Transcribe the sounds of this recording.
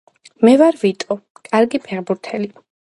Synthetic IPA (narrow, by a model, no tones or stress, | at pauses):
mɛvaɾvit̪ʼɔ | kʼaɾɡipʰɛʁbuɾt̪ʰɛli